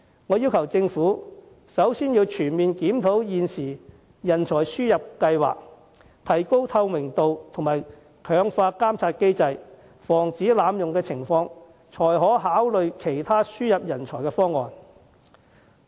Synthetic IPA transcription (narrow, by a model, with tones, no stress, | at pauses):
ŋɔː˨˧jiː˥wkʰɐ˨˩wt͡sɪ˧ŋfuː˨˥ | sɐ˨˥wsiː˥njiː˧wt͡ʃʰyː˨˩nmiː˨nkiː˨˥mt̪ʰo˨˥wjiː˨˧nsiː˨˩ | jɐ˨˩nt͡ʃʰɔː˨˩jsyː˥jɐ˨p̚kɐ˧jwa̰ː˨k̚ | t̪ʰɐ˨˩jko˥wt̪ʰɐ˧wmɪ˨˩ŋt̪o˨wt̪ʰʊ˨˩maː˨j | kʰœː˨˧˥ŋfaː˧kaː˥mt͡sʰaː˧t̚ke˥jt͡sɐ˧j | fɔː˨˩ŋt͡siː˨˥laː˨˧mjʊ˨ŋkɛː˧t͡sʰɪ˨˩ŋfɔː˧ŋ | t͡ʃʰɔː˨˩jɦɔː˨˥ɦaː˨˥wlɵ˨ɥkʰe˨˩jt̪ʰaː˥syː˥jɐ˨p̚jɐ˨˩nt͡ʃʰɔː˨˩jkɛː˧fɔː˥ŋːɔ̰ː˨˧n